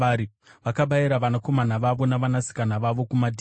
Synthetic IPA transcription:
ɾi | ʋakaɓajiɾaʋanako̞manaʋaʋo̞naʋanasi̥kanaʋaʋo̞kumadʱi

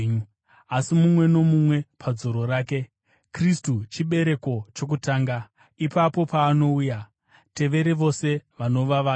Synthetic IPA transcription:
asimumwe̞no̞mumwe̞pʰad͡zo̞ɾo̞ɾaːk̬e̞ | kristut͡ʃiɓe̞ɾe̞ko̞t͡ʃok̬utaːŋɡa | ipapo̞paːno̞uja | te̞ʋe̞ɾeʋo̞se̞ʋano̞ʋaʋaː

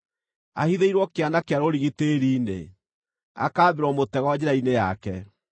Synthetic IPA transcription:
a̰hiðeiɾwɔkeanakeaɾoɾiɣiteɾiːnḛ | a̰kaːβeɾwɔmotɛɣɔad͡ʑɛɾaineja̰kɛ

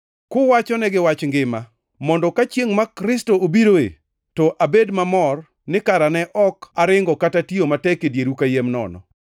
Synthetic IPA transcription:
kʊwat͡ʃɔnɛɡɪwat͡ʃŋɡɪma | mɔndɔkat͡ʃjeŋmakɾɪstoobiɾoḛ | tɔʔabedmamɔr | nɪkaɾanɛʔɔkaɾɪŋɡɔkatatiomatɛkedjeɾukajemnɔ̰nɔ̰

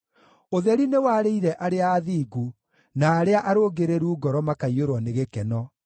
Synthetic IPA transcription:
oðɛɾinewaɾeiɾɛʔaɾeaːðiːɡu | naːɾeaʔaɾoːɡeɾeɾuːɡɔɾɔmakaioɾwɔneɣekɛnɔ

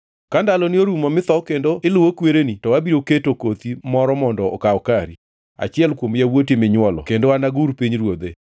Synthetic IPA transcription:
kandalɔnɪoɾumɔmɪt̪ɔkendoɪlʊwokweɾenitɔwabiɾoketokot̪imɔɾɔmɔndɔːkaɔkaɾi | a̰t͡ʃɪɛlkwomjawotemɪɲwɔlɔ̰kendoanaɡuɾpiɲɾwod̪e

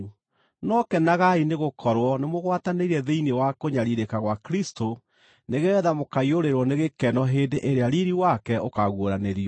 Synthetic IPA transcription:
nɔkɛnaɣaineɣokʰɔɾwɔnemoɣwataneiɾɛðeinewakoɲaɾiɾekaɣwakɾistʰo | neɣɛðamokaioɾeɾwɔneɣekɛnɔɦeːndeʔeɾeaɾiɾiwakɛʔokaɣwoɾaneɾiɔ

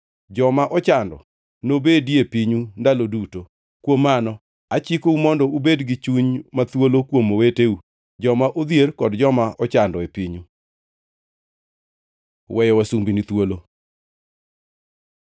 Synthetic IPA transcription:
d͡ʒɔmaʔɔt͡ʃandɔ̰ | nobediepiɲundaloduto | kwomːanɔ | at͡ʃikoumɔndɔubedɡɪt͡ʃuɲmat̪wolokwomoweteu | d͡ʒɔmaʔod̪jerkɔdd͡ʒɔmaʔɔt͡ʃandɔepiɲu | wɛjɔwasumbinit̪wolo

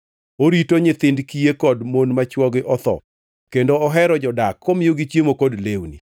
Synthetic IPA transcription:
oɾitoɲɪt̪ɪndkijekɔdmonmat͡ʃwɔɡɪʔɔt̪ɔ̰ | kendoɔɦɛɾɔd͡ʒɔdakʰːomɪoɡit͡ʃjemokɔdlewnḭ

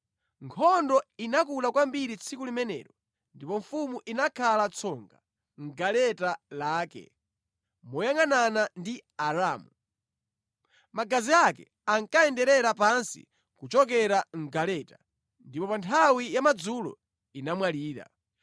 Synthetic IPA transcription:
ŋkʰɔndɔinakulakwambiɾit͡sʰikulimɛnɛ̰ːɾɔ | ndipɔɱfumuʔinakʰalat͡sʰɔŋɡa | ŋ̩ɡalɛtalaːkɛ̰ | mɔjaŋananandiaɾaːmu | maɡaziakɛ̰ | aŋkaɛndɛɾɛɾapansḭ | kut͡ʃɔk̬ɛɾaŋ̩ɡalɛta | ndipɔpantʰawijamad͡zulɔ̰ | inamwaliːɾa̰

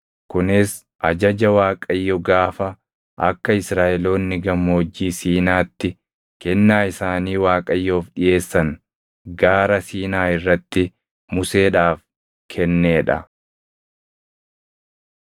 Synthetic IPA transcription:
kʊnɪs | ʔɐd͡ʒɐd͡ʒɐwaːkʼɐjːɔɡaːfɐ | ʔɐ̰kːɐɪsɾaːʔɛlo̞ːnːɪɡɐmoːd͡ʒːiːsiːnaːt̪ːɪ | kɛnːaːɪsaːniːwaːkʼɐjːo̞ːfᶑɪje̞ːsːɐŋ | ɡaːɾɐsiːnaːɪrːɐt̪ːɪ | mʊse̞ːᶑaːf | kʰɛnːeːᶑɐ̰

